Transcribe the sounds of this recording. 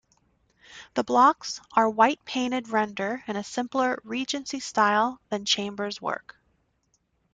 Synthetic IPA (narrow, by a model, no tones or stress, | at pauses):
ðəblɑksʔə˞waɪt̚pʰẽɪ̃ɾ̃ɨd̚ɹɛ̃ndə˞ɨ̃ñɨsɪ̃mplˠə˞ɹid͡ʒɨ̃nsistaɪlˠðɨ̃nt͡ʃʰẽɪ̃mbə˞zwɜ̰˞k